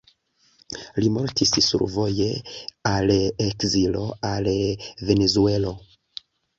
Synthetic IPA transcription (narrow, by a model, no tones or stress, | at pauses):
limo̞ɾtissṵɾvo̞je̞alekzilo̞̰alve̞ne̞zue̞lo̞